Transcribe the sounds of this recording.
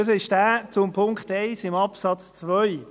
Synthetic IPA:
əs̬ɪʃd̥æːt͡sʊmpʰʊŋkχteɪsɪmɑpsɑt͡st͡svœj

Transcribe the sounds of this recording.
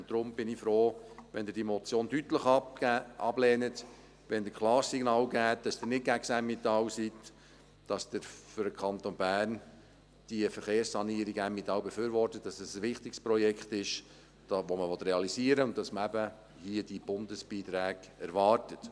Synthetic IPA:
nd̥̪ɾʊmb̥ɪnifɾoːʋɛnd̪əɪɾdimɔt͡sjoːndyt̪ləχʔɑ̰blɛːnət | ʋɛndəkʰlɑːɾssiɡnɑːwɡæːt̚d̥ɑsd̥ɪnɪt̚ɡæksæmːit̪ɑwsit | d̥ɑsd̥̪əɾfʏɾdəkʰɑnt̪onbæːrn | d̥iəfəɾχeːrssɑniːɾiɡæmːit̪ɑwbefyːɾvɔrtət̚dɑsəsʋɪχt̪ɪkspɾɔjɛkχt̪ɪʃ | d̥ɑʋɔməʋɔt̪ɾeɑlisiəɾəʊnt̚d̥ɑsməæbə | hiəd̥ib̥ʊndəsb̥iːt̪ɾæːɡɛɾʋɑːɾtət

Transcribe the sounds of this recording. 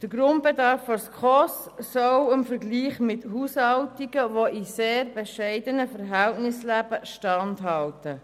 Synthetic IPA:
d̥əɾɡɾʊnt̚b̥edɑɾfːɔskχɔssɔwɪmfəɾɡliːχmɪthushɑltiɡ̥əʋoʔiseːɾbɛʃɛɪdənəfəɾɦæltnɪslæb̥əʃtɑndɦɑltə

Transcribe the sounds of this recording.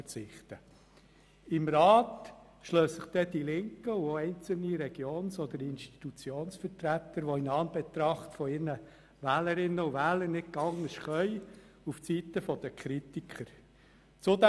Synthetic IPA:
ət͡sɪχt̪ə | ɪmɾɑːt̪ | ʃløːsːɪχd̥̪ɛd̪̥ilɪŋkəʊoɛɪnt͡səl̩niɾɛɡ̥joːnsɔd̪əɾɪnʃti̥t̪ut͡sjoːnsfəɾtɾæt̪əɾʋoɪnɑːnbet̪ɾɑχtfɔɪɾnə | væːləɾɪnːəuʋæːləɾnɪt̚kɑŋnəʃχœʏ | uft͡sit̪əfɔd̥̪əkχɾit̪ikʰəɾ | t͡sʊd̪

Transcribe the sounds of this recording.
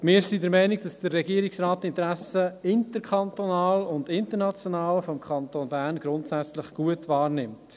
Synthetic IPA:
mɪːɾsidəɾmɛɪniɡd̥ɑsd̥ərːɛɡiəɾiksraːt̚tɪntɾæsəɪntəɾkʰχɑntonɑːlʊndɪntəɾnɑt͡sjɔnɑːləfɔmkʰχɑntoːnbæɾnɡ̥ɾʊntsæt͡slɪχɡ̥uətvɑːɾnɪmt

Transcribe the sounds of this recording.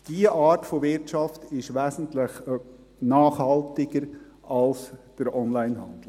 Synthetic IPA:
d̥iəʔɑːɾtfovɪɾtt͡ʃɑftɪʃʋæːsn̩tlɪχ | nɑːχhɑltɪɡəɾ | ʔɑlsd̥əɾɔnlaɪnhɑnd̥l̩

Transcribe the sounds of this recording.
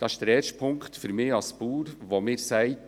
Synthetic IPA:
d̥ɑɪ̥ʃd̥əɾɛʃpʰʊŋktfyɾmɪːɑlspuːɾʋomɪːɾsæɪt

